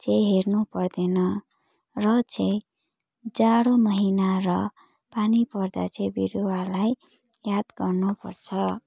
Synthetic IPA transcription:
t͡sejɦernupʌrd̪enʌ | rʌt͡sẽj | d͡zaɽomʌɦinarʌ | panipʌrd̪a̰t͡sẽbiɾuwalaj | jad̪ɡʌrnupʌ̰rt͡sʰʌ

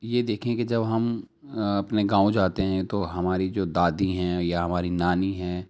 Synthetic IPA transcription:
jed̪eːkʰẽked͡ʒɐbɦɐm | ɐpneɡãːõd͡ʒoaːt̪eɦɛ̃t̪oɦɐmaːɾid͡ʒoːd̪aːd̪iɦɛ̃ːjaɦɐmaːɾinaːniɦɛ̃ː

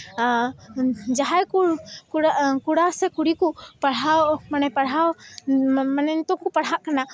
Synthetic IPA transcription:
d͡ʒaɦajkukuɽakuɽasɛkuɽikupaɽ̤awmanɛjpaɽɦaw | manɛnt̪ɔkupaɽɦaʔkana

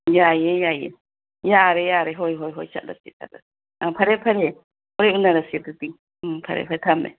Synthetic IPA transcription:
jajɛjajɛ̰ | jaɾɛjaɾɛɦɔjɦɔjɦɔjt͡ʃa̰ʔɾa̰sit̪a̰ɾa | apʰaɾɛpʰaɾɛ | ɔɾɛunaɾasiat̪ut̪i | pʰa̰ɾɛ̰pʰaɾɛt̪ʰamɛ̰

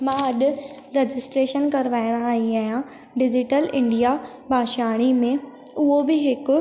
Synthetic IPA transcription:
mãːɦɐɗʊ | ɾed͡ʑɪsʈɾeːʃənkɐɾʋaːɪɽ̃ãaːɦĩaːɦjã | ɖɪd͡ʑɪʈəlɪ̃ɳɖija | bʱaːʃaːɽ̃imẽ | ʊɦobɪɦɪkʊ

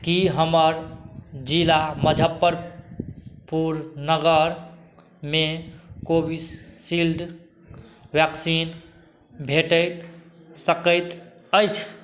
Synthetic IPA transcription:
kiɦəməɾd͡ʒilaməd͡ʒʱəpːəɾ | puɾnəɡəɾ | mekobisilɖ | bjɛksin | bʱeʈəjt̪ | səkəjt̪ | əjt͡ʃʰ

